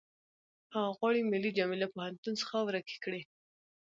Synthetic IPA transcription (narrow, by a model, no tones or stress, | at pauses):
hɑɣwɑɽimɪlːid͡ʒɑmilapohant̪unsə̥xawɾaki̥kɽe